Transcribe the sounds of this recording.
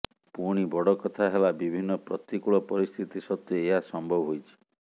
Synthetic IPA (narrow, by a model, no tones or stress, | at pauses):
puɽ̃ibɔɽɔkɔt̪ʰaɦelabibʱinːɔpɾɔt̪ikuɭɔpɔɾist̪ʰit̪isɔt̪ːɔeɦasɔmbʱɔbɦojt͡ʃʰi̥